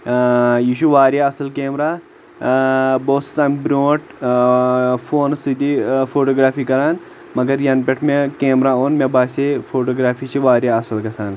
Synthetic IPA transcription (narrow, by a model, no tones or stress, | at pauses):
jiʃuʋaːɾjaɐsɐlkeːmɾaː | boːssaːmbɾoːʈ | fʰoːnsid̪ifʰoːʈoːɡɾaːfiːkɐɾaːn | mɐɡɐɾjɐnpʲeʈʰmekeːmɾaːoːnmebaːsefʰoːʈoːɡɾaːpʰiːt͡ʃʰiʋaːɾʲjaɐsɐlkɐsaːn